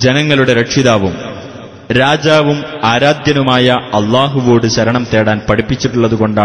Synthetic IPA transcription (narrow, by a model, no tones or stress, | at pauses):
d͡ʑenɐŋːɐɭuɽe̞ɾɐkʂiðaːʋum | ɾaːd͡ʑaːʋumaːɾaːd̪jɐnumaːjɐɐlːaːɦuʋo̞ːɽɨɕɐɾɐɳɐmt̪e̞ːɽaːnpɐɽipːit͡ɕːiʈːuɭːɐðuɣo̞ɳɖaː